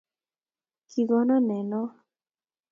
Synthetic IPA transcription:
kʰi˨ɡɔ˦nɔ˦nɛ˨nɔ˦

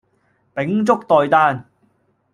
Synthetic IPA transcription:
pɪ˨˥ŋt͡sʊ˥k̚t̪ɔː˨jt̪aː˥n

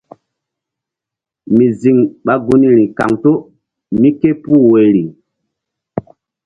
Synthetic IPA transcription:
mi˨zi˨ŋɓa˦ɡu˦ni˦ɾi˨ka̰˨ŋto˦ | mi˦ke˦puː˦we˨ɾi˨

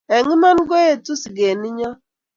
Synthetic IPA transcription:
e˨ŋi˦ma˦n̩˦ɡo˦e˨tu˦si˨ɡe˨ni˦ɲɔ˦

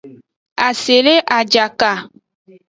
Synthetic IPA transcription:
a˨se˨le˦ʔa˨d͡ʒa˨ka˨

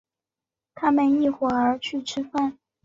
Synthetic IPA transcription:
t̪ʰa˥mə˨ni˥˩xwɔ˨˩ə˞˧˥t͡ɕʰy˥˩ʈ͡ʂʰɻ̩˥fa˥˩n

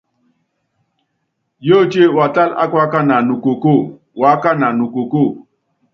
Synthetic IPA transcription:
jo˦˨t͡ʃe˦wa˨ta˦la̰˦kwa˦ka˦na˨nu˨ko˨ko˦˨ | wa˨˦ka˦na˨nu˨ko˨ko˦˨

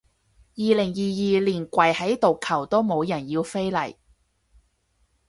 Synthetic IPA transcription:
jiː˨˧lɪ˨˩ŋjiː˨jiː˨˧liː˨˩nkʷɐ˨˩jhɐ˨˥jt̪o˨wkʰɐ˨˩wt̪o˥wmo˨˧wjɐ˨˩njiː˧wfe˥jlɐ˨˩j

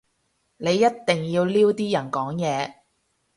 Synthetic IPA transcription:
ne˨˧jːɐ˥tt̪ɪ˨ŋjiː˧wliː˥wt̪iː˥jɐ˨˩nkɔː˨˥ŋjɛː˨˧

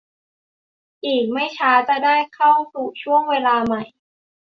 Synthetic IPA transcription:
ʔiː˨˩k̚ma˥˩jt͡ɕʰaː˦˥t͡ɕa˨˩daː˥˩jkʰa˥˩wsuː˨˩t͡ɕʰu˥˩əŋweː˧laː˧ma˨˩j

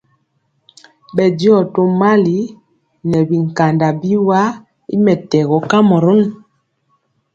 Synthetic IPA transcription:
bɛ˨di˦ɔ˦˨to˦ma˦li˨˦ | nɛ˨bi˨ŋ˨ka˨nda˨bi˦wa˦ | i˦mɛ˨tɛ˨ɣɔ˨˦ka˦mɔ˨ɾo˦n

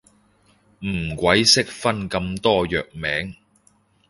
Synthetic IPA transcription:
m̩˨˩kʷɐ˨˥jsɪ˥k̚fɐ˥nkɐ˧mt̪ɔː˥jœː˨k̚mɛː˨˥ŋ

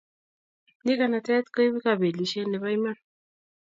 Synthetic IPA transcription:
ni˦ka˨na˨tɛ˦t̪ko˦i˦βi˦ka˨βe˨li˨ʃe˦ne˨βa˦i˦ma˦n

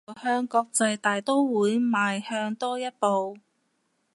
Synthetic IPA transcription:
hœː˥ŋkɔː˧k̚t͡sɐ˧jt̪aː˨jt̪o˥wwuː˨˧˥jmaː˨jhœː˧ŋt̪ɔː˥jɐ˥t̚po˨˧w

